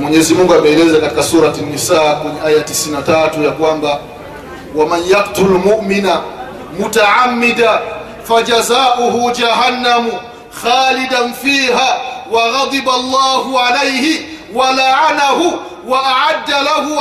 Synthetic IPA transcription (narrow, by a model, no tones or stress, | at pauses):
mweɲɛzimuŋɡuaɓɛɛlɛzakati̥kasuːɾatanːisaːkwɛɲɛʔaːjatisinːataːtujakwamba | wamanjaqtulmuʔmina | mutaʕamːida | fad͡ʒazaːʔuhud͡ʒaɦanːamu | xaːlidanfiːɦaːwaɣɑd̪ˤibalˤːɑːhuʕalejhi | walaʕanahu | waʔaʕadːalahu